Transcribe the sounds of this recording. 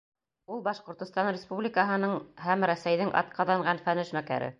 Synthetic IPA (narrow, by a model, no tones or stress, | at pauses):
ulˠbɑʃqŏɾt̪ŏst̪ɑnrʲɪspublʲɪkəɦɤ̆nɤɴhæmɾæsæjðɘŋʔɑ̰t̪̚qɑðɑɴɢɑnfænɘʃmækæ̰ɾɘ̰